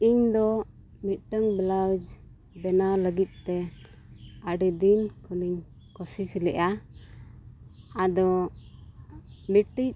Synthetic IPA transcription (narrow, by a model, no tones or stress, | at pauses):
iɲd̪ɔ | mit̪̚ˀʈəŋblawd͡ʒ | bɛnaləɡit̪̚ˀt̪ɛ | aɖid̪inkʰɔniɲ | kɔsit͡ʃlɛʔa | ad̪ɔ | miʈic̚